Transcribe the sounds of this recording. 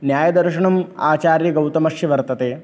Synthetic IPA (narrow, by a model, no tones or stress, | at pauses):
njaːjɐd̪ɐɾʃɐɳɐma̰ːt͡ʃaːɾjɐɡɐwt̪ɐmɐʂjɐʋɐɾt̪ɐt̪eː